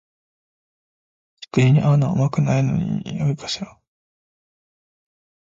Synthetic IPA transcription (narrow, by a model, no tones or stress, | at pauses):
t͡ɕi̥kɯɲiɲ̟iʔaɯnaomakɯ̟naino̰ɲḭjobʲikḁɕo